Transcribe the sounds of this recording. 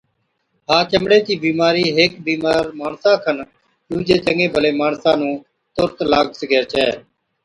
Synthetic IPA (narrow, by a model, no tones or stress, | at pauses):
ɦaːt͡ʃəmɽeːt͡ʃiːbiːmaːɾiːɦeːkbiːmaːɾmaːɳsãːkʰən | d̪uːd͡ʒeːt͡ʃəŋẽːbʱəleːmaːɳsãːnũː | t̪ʊɾk̪laːɡsəɡeːt͡ʃʰɛː